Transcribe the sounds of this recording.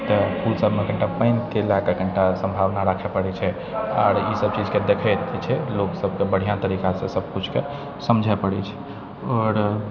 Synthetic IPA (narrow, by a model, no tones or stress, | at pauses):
t̪əpulsəbʱmekəɳʈapəɪnkelakakəɳʈasə̃mbʱaʋnaɾəkʰɛpəɽɛt͡ʃʰɛ | a̰ɾisəb̚t͡ʃid͡ʒʱked̪ekʰɛt̪t͡ʃʰɛloksəb̚ʱkebəɽ̤ijãt̪əɾikasẽsəb̚ʱkut͡ʃʰke | səmd͡ʒʱapəɽɛ̰t͡ʃʰɛ̥ | ɔɾ